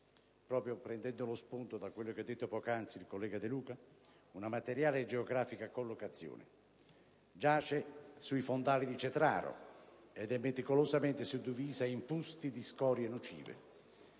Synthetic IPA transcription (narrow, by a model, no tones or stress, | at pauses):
pɾɔːpɾjopɾɛnd̪ɛnd̪ʊlospunt̪od̪akwelːokɛd̪ːet̪ːopɔːkant̪silkolːɛːɡad̪ɪluːka | unamat̪eɾjaːled͡ʒeoɡɾaːfikakolːokat̪sːjo̰ːnɪ̰ | d͡ʒaːt͡ʃɛsuifond̪aːlid̪it͡ʃɛt̪ɾa̰ːɾo̰ɛd̪ɛmːet̪ikolozamɛnt̪ɪsud̪ːiviːzaimpust̪id̪iskɔːɾjenut͡ʃḭːvḛ